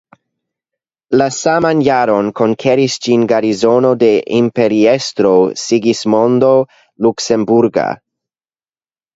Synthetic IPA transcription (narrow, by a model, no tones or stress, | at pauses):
lasamanjaɾo̞nko̞ŋkʰeɾisd͡ʒinɡaɾizo̞no̞de̞ʔimpe̞ɾiestɾo̞siɡismo̞ndo̞ | lukse̞mbuɾɡa̰